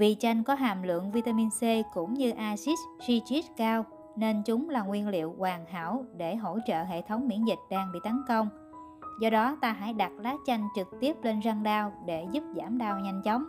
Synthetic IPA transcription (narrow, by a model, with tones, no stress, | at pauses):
vi˨˩t͡ɕa˧jŋ̟kɔ˨˦ɦa̰ː˧˨mlɨ̰˧˨əŋvi˧t̪aː˧mi˧nse˧kʊ̰˧˥ŋ͡mɲɨ˧ʔaː˧si˦˥ssi˧t͡ɕi˦˥t̚kaː˧w | ne˧nt͡ɕʊ˨˦ŋ͡mlaː˨˩ŋwi˧ənlḭ˧˨əwkwaː˨˩ŋha̰ː˧˩˨wɗe˧˩ɦo̰˧˥t͡ɕə̰ː˧˨ɦḛ˧˨t̪ʰə˨˦wŋ͡mmi˧˥ənzï˨˩k̟̚ɗaː˧ŋɓḭ˧˨t̪ə˨˦nkə˧wŋ͡m | zɔ˧ɗɔ˨˦t̪aː˧ɦa̰ː˧˥˩jɗa˨˩t̚laː˨˦˥k̚t͡ɕa˧jŋ̟t͡ɕɨ˨˩k̚t̪i˦˥əp̚le˧nza˧ŋɗaː˧wɗe˧˩zu˦˥p̚zaː˧˩mɗaː˧wɲa˧jŋ̟t͡ɕɔ˨˦wŋ͡m